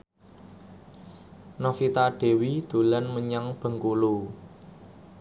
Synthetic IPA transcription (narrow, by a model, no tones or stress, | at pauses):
nɔfit̪aɖ̥e̤wid̪̥ṳlanməɲaŋb̥ə̤ŋkulu